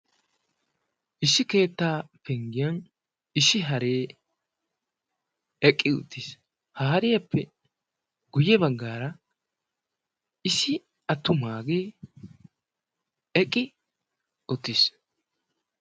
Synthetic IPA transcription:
ʔɪsːɪke̞ːt̪ːaːfɛŋɡɪjɐn | ɪsːɪɦɐɾe̞ː | ɛkʼːɪʊ̰t̪ːis | hɐɦɐɾɪjɐpʰːɛ | ɡ̥ʊjɛbɐɡːaːɾɐ | ɪsɪ | ɐt̪ːʊmaːɡeː | ɛkʼːɪ | ɔt̪ːɪs

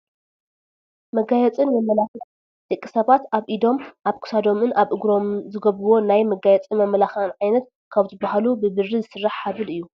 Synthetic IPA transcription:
mɐɡajɛt͡sʼɨnmɐmɐlax | d̪̥ɨkʼːisɐβat̪aβʔid̪o̞mʔaβkʰu̥sad̪o̞mɨnʔaβʔɨɡɾo̞mzɨɡɐβɾuwo̞najmɐɡajɛt͡sʼimɐmːɐlaxanʕajnɐt̪̚ | kʰaβzɨbːahalubɨbɨrːizɨsɨrːaħħaβɨlɨjːu

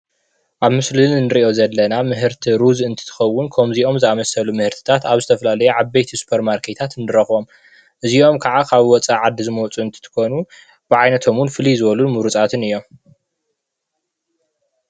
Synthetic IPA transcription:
ʔaβmɨslɨnːɨɾiʔo̞zɐlːɐnamɨɦɨɾt̪ʰiɾuzɨnt̪ʰɨ̥t̪ʰɨ̥xɐwːʊnkʰomziʔo̞mzɨamɐsɐlumɨhɨɾt̪ʰɨ̥t̪ʰat̪aβzɨt̪ʰɐfɐlalɐjuʕaβbejt̪ʰisu̥pʰɐɾmaɾkʰet̪ʰat̪ɨnɨɾɐxo̞m | ʔɨzio̞mkʰaʕakʰaβwɔt͡sʼaʕad̪ːizɨmot͡sʼuɨnt̪ʰɨ̥t̪ʰɨ̥ko̞nu | b̥ɨʕajnɐt̪ʰo̞munfɨlizɨβɐlunmuɾut͡sʼat̪ʰɨnɨjːo̞m

